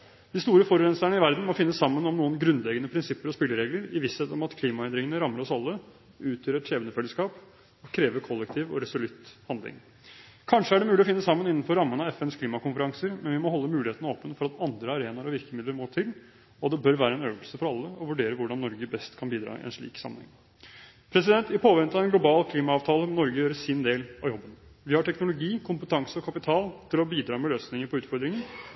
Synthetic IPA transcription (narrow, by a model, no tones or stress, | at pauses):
d̪̥ɪst̪uːɾəfɔɾɾɛnsæɳəɪʋæɾd̪n̩mɔfɪnːəsːɑmːənɔmnuːənɡɾʉnd̪lɛɡənəpʰɾɪnsɪpːəɾɔspɪlːəɾeːɡləɾɪʋɪsɛt̪ːɔmɑt̪kʰliːmɑɛnd̪ɾɪŋənəɾɑmːəɾɔsɑlːə | ʉːt̪ʰjøːɾəɾeːbənəfɛlːəskɑːp | ɔkʰɾeːʋəkʰɔlːɛk̚t̪ʰiːʋɔ̰ɾɛsʊlʉt̪hɑnd̪lɪ̰ŋ | kʰɑnʂəæɖɛmʉːlɪɔfɪnːəsɑmːənɪnːnfɔɾːɑmːənɑɛfɛnskʰliːmɑkʊnfəɾɑŋsəɾmɛnʋɪmɔɦɔlːəmʉːlɪheːt̪ənəoːpənfɔɾɑt̪ɑnd̪ɾəɑɾeːnɑɾɔʋɪɾkəmɪd̪ləɾmoːʈ̪ʰɪl | ɔd̪ɛbœɾʋæːɾəɛnøːʋəlsəfɔɾɑlːəɔʋʉɖeːɾəʋʊɖɑnːɔɾɡəbɛst̪kʰɑnbiːd̪ɾɑ̰ːɪ̰ʔɛ̰nʂɭḭːksɑ̰mːənhɛ̰ŋ | pʰɾɛs̬ɪd̪ɛnt̪ɪpʰoːʋɛnt̪ɑɛnɡlʊbɑːlkʰliːmɑɑːʋt̪ʰɑːləmnɔɾɡəjøːɾəsɪnd̪eːlɑjɔbːənʋɪhɑʈʰɛknʊlʊɡiːkʰʊmpət̪ʰɑŋsəɔkʰɑpɪt̪ʰɑːlt̪ʰɪlɔbiːd̪ɾɑːmɛløːsnɪŋəɾpʰɔʉːt̪fɔɾd̪ɾɪŋən